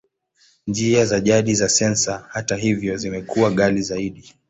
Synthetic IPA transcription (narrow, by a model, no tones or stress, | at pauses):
nd͡ʒiazaʄaɗizasɛnsahataɦivjɔzimɛkuwaɠalizaiɗi